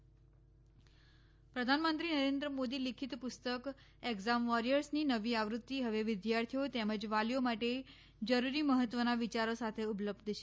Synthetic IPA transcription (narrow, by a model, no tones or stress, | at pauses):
pɾəd̪ʱanmənt̪ɾinəɾend̪ɾəmod̪ilikʰit̪pʊst̪ək | eɡzamʋɔɾijəɾsninəʋiaʋɾut̪ːiɦəʋeʋɪd̪jaɾt̪ʰijot̪eməd͡ʒʋaljomaʈe | d͡ʒəɾuɾiməɦət̪ʋənaʋit͡ʃaɾosat̪ʰeupləbd̪ʱt͡ʃʰe